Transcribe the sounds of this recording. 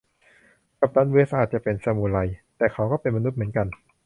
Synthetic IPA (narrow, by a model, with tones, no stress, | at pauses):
ka˨˩p̚t̪ʰaː˦˥nwɯː˦˥ɐ˧saː˨˩t̪̚t͡ɕa˨˩pe˧nsa˧muː˨˩la˧jt̪ɛː˨˩kʰa˦˥wkɔː˥˩pe˧nma˧nu˦˥t̪̚mɯ˩˦ənka˧n